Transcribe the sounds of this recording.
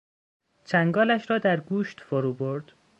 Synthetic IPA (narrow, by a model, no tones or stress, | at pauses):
t͡ʃʰæŋɡɒːlæʃɾɒːd̪æɾɡuːʃt̪foɾuːboɾd̪̥